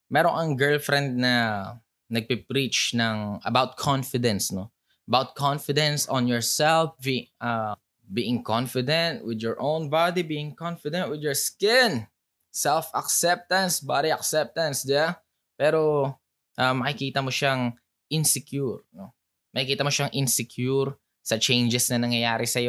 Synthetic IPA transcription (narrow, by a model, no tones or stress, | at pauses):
mɛːɾoŋɐŋɡɛɹlfɾɛnd̪̚nɐ | nɐɡ̚pɛpɾit͡ʃnɐŋʔɐ̰bawt̪̚kʰɔnfɪd̪ɛnsno | ʔɐbawt̪̚kʰɔnfɪd̪ɛnsɔ̃njɔɹsɛlfbia | biːʔɪŋkɔnfɪd̪ɛ̃nt̪̚wɪd̪jɔɹʔõwnbad̪ibiːʔɪŋkɔnfɪd̪ɛnt̪̚wɪd̪jɔɹskɪ̃n | sɛlfɐksɛp̚t̪ɐnsbad̪iɐk̚sɛp̚t̪ɐnsd̪ɪba | pɛːɾo | ʔɐmːɐɪkiːt̪ɐmoʃaŋ | ʔɪnsɪkjuɹno | mɐkɪkiːt̪ɐmoʃaŋʔɪnsɪkjuuɾ | sɐt͡ʃɛjnd͡ʒɛsnɐnɐŋjɐjaːɾɪsɐjo